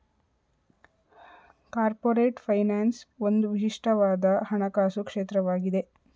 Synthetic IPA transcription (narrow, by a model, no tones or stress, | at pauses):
kaːɾpoːɾeːʈpʰɐjnaːnsond̪uʋiʃiʂʈʰɐʋaːd̪ɐhɐɳɐkaːsukʂeːt̪ɾɐʋaːɡid̪e̞